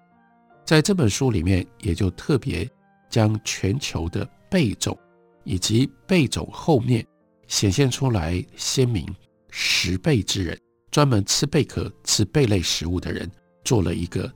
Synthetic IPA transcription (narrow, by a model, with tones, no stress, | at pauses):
t͡sa˥˧ɪʈ͡ʂɤ˥˩pə˨˩nʂu˥li˨˩mjɛ˥˩njɛ˨˩t͡ɕjo˥˧ʊt̪ʰɤ˥˩pjɛ̰˧˥ | t͡ɕjɑ˥ŋt͡ɕʰɥɛ˧˥nt͡ɕʰjo˧˥ʊd̪ə˧ | pe˥˩ɪʈ͡ʂʊ̰˨˩˦ŋ | i˨˩t͡ɕi˧˥pe˥˩ɪt͡sʊ̰˨˩ŋxo˥˧ʊmjɛ˥˩n | ɕjɛ˨˩nɕjɛ˥˩nʈ͡ʂʰu˥la˧˥ɪɕjɛ˥nmḭ˧˥ŋ | ʂɻ̩˧˥pe˥˩ɪʈ͡ʂɻ̩˥ɻə̰˧˥˦n | ʈ͡ʂwa˥nmə˧˥nt͡sʰɹ̩˥pe˥˩ɪkʰɤ̰˨˩t͡sʰɹ̩˥˧pe˥˧ɪle˥˩ɪʂɻ̩˧˥u˥˩d̪ə̰˩ɻə̰˧˥n | t͡swɔ˥˩lə̰˩i˧˥ɡə˧